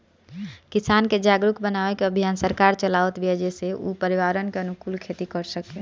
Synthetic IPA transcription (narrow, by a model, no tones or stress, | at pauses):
kisanked͡ʒaɡɾukbənaʋekeəbʱijansəɾkaɾt͡ʃəlaʋət̪biɛd͡ʒeseʔṵpəɾiʋaɾənkeənukulkʰet̪ikəɾsəke